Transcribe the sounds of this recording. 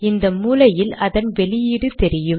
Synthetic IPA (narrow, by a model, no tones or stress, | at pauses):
ɪnd̪ɐmuːlɐjɪlɐðɐnʋɛɭɪjiːɽɯt̪ɛɾɪjɯm